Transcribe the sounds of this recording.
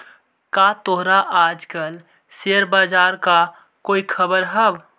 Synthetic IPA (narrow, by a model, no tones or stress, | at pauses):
kat̪oɦɾaʔaːd͡ʒkəl | seəɾbaːd͡ʒaːɾka | koːikʰəbəɾɦɛw